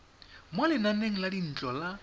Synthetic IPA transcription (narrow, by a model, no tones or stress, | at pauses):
mwalɪnaneŋ̩ladin̩t͡ɬʼɔla